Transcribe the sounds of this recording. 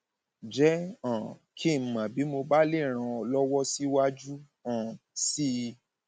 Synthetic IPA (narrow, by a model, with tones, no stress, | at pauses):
d͡ʒɛ˨˦ã˨kʰi˦˨m̩˨mã˨bi˨˦mo˧ba˦le˦˨ɾ̃ã˧ɔ˧lɔ˦wɔ˦si˦wa˦d͡ʒu˦ | ã˦˨si˦˧